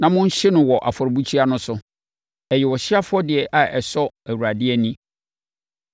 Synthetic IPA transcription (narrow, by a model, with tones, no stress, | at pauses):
nã˨mʊ̃˦ɲ̩˦ɕɪ˦nʊ̃˨wɔ˨ʔa̰˨fɔ˨ɾbu˦t͡ɕʰi˦a˦nʊ̃˦sʊ˨ | ɛ˨jɛ˨wɔ˨ɕɪ˦a˦fʊ˦ɔ˦dɪ˨ɛ˨ʔa˨ʔɛ˨sɔ˦æ˨wu˨ɾa˨dɪ˦ɛ˦nĩ˦